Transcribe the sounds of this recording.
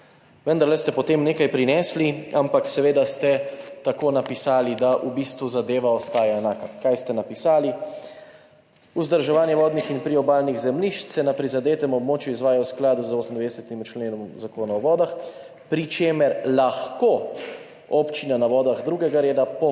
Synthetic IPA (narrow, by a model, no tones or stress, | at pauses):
ʋənd̪aɾlɛst̪ɛpɔt̪eːmneːkajpɾinɛːsliampaksɛʋeːd̪ast̪ɛt̪akoːnapisaːlid̪aʔubiːst̪ʋuzad̪eːʋaɔst̪aːjaɛnaːkakajst̪ɛnapisaːli | uzd̪əɾʒɛʋaːnjɛʋɔːd̪nixinpɾiɔbaːlniɣzɛmliʃt̪sɛnapɾizad̪eːt̪ɛmɔbmoːt͡ʃjuizʋaːjawsklaːd̪uzoːsm̩nd̪vɛd̪ɛsɛt̪imt͡ʃleːnɔmzakoːnaɔʋɔːd̪ax | pɾit͡ʃeːmɛɾlaxko | ɔpt͡ʃinanaʋɔːd̪aɣd̪ɾuːɡɛɡaɾeːd̪apɔ